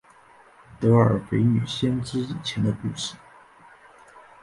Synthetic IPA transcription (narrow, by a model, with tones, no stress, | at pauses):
t̪ɤ˧˥ə̰˞˨˩pe˧˥ɪny˨˩ɕjɛ˥nʈ͡ʂɻ̩˥i˨˩t͡ɕʰjɛ˧˥nd̪ə˧ku˥˧˩ʂɻ̩˥˩˦